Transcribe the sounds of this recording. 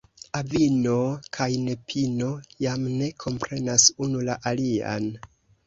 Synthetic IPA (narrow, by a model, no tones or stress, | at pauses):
avino̞kʰajne̞pʰino̞jamne̞kʰo̞mpɾe̞nasunulaʔalia̰n